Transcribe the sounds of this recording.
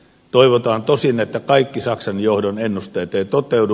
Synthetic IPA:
t̪oiʋot̪ɑːnt̪osinet̪ːækɑikːisɑksɑnjohdonenːust̪ejt̪eˑit̪ot̪ˑeudu

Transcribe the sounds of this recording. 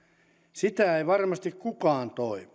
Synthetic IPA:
sit̪æeiʋɑrmɑst̪ikkukɑːnt̪oimi

